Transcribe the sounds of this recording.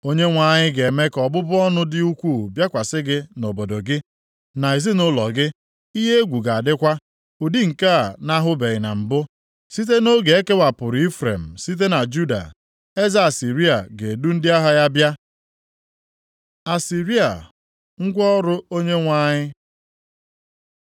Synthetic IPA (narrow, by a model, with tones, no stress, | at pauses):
o˦ɲe˦ŋʷa˦˨ɲɪ˦ɡe˨me˦kɔ˨bʊ˦bʊ˦ɔ˦nʊ˦dɪ˦u˦kʷu˦˨bja˦kʷa˨sɪ˦ɡɪ˦no˨bo˨do˨ɡɪ˦ | na˨i˨zɪ˦nʊ˦lɔ̰˨ɡɪ˦ | i˦ɦe˦e˦ɡʷu˨ɡa˨a˨dɪ˦kʷa˦ | ʊ˨di˦ŋ̩˨ka˦a˨na˦ɦʊ˦be˨ɣɪ˨na̰˨m̩˨bʊ˦ | si˦t̬e˦no˦ɡe˨e˦ke˦wa˨pʊ˨ɾʊ˨i˦fɾḛ˨m̩˨si˦t̬e˦na˨d͡ʒu˦da̰˨ | e˦za˦a˨si˨ɾi˦a˨ɡe˨du˦n̩˦dɪ˦a˦ɦa˦ja˦bja˦ | a˨si˨ɾi˦a̰˨ | ŋ̩˦ɡʷɔ˦ɾʊ˦o˦ɲe˦ŋʷa˦ɲɪ˦